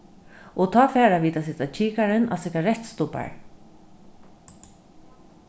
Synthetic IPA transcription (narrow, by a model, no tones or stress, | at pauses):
ɔt̪ʰɑːfɛːɾaviːt̪asɪt̪at͡ʃʰiːkaɾɪna̰sɪkaɾɛht̪st̪ʊpa̰ɹ